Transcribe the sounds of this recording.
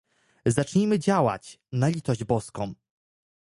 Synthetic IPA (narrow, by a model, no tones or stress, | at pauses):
zat͡ʂɲimɘd͡ʑawa̰t͡ɕnalʲit̪ɔʑd͡ʑbɔskɔ̃w̃